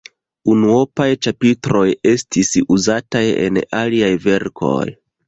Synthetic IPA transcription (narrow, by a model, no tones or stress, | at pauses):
unuo̞pajt͡ʃapitɾo̞je̞stisuzataje̞̰naliajve̞ɾkʰo̞̰j